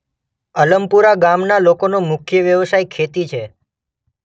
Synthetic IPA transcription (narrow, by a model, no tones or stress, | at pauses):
ələmpuɾaɡamnalokonomʊkʰjəʋjəʋsajkʰet̪it͡ʃʰe